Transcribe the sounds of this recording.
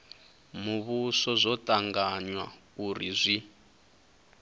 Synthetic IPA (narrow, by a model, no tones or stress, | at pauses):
muβusɔzʷɔtʼaŋɡaɲwa̰ | uɾizʷi